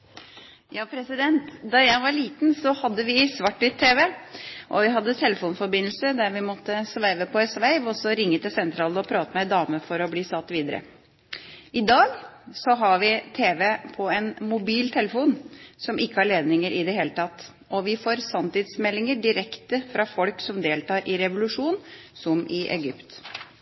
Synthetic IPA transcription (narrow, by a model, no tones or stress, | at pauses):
jɑːpʰɾɛsɪd̪ɛnt̪d̪ɑjæɪʋɑɭiːt̪nsɔhɑd̪ːəʋɪsʋɑʈːɪt̪ʰːeːʋɛʔɔ̰ʋɪɦɑd̪ːət̪ʰɛləfuːnfɔɾbɪnl̩səd̪æɾʋɪmɔt̪ːəsʋæɪʋəpʰɔɛsʋæɪʋɔsɔɾɪŋːət̪ɛsɛnt̪ʰɾɑːlɔpʰɾɑːt̪əmɛd̪ɑːməfɔɾɔbliːsɑt̪ːʋiːd̪əɾə̰ | ʔɪd̪ɑːɡsɔɦɑɾʋɪt̪ʰeːʋɛpʰɔɛnmʊbiːlt̪ʰɛləfuːnsɔmʔɪkːəhæɭeːd̪nɪŋəɾʔɪd̪ɛheːlət̪ʰɑt̪ː | ɔʋɪfoːɾsɑmt̪ɪd̪smɛlːɪŋəɖɪɾɛkt̪əfɾɑfɔlksɔmd̪eːlt̪ɑːɾʔɪɾɛʋʊlʉʂuːnsɔmʔɪʔɛ̰ɡʏpt̪